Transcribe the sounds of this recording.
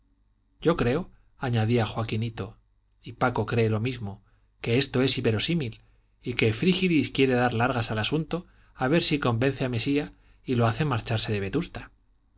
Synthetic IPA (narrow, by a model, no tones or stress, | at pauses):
ɟ͡ʝo̞kɾe̞o̞ | aɲaðiaxwakinit̪o̞ | ipako̞kɾe̞ːlo̞mizmo̞ | ke̞e̞st̪o̞e̞siβe̞ɾo̞simil | ike̞fɾixiliskje̞ɾe̞ðaɾlaɾɣasalasunt̪o̞ | aβ̞e̞ɾsiko̞mbe̞n̟θeame̞sia | ilo̞aθe̞maɾt͡ʃaɾse̞ðe̞β̞e̞t̪ust̪ḁ